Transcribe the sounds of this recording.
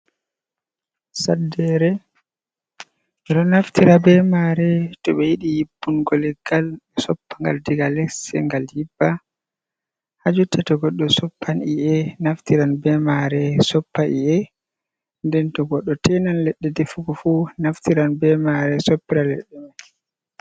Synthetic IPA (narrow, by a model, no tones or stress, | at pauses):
sadɛɾɛ | ɗɔnaftiɾabɛmaɾɛtɔɓɛjiɗijib̥ːunɡɔlɛɡalɛsɔpːaŋɡa̰ldiɡalɛksɛ̰ŋɡaljibːa | had͡ʒutɛtɔɡɔɗːɔsɔpːaniʔɛnaftiɾanbɛmaɾɛsɔpːaʔiɛ | ndɛntɔɡɔɗːɔtɛnanlɛɗːɛdefuɡɔfunaftiɾanbɛmaɾɛsɔpːiɾalɛ̰ɗːɛmaj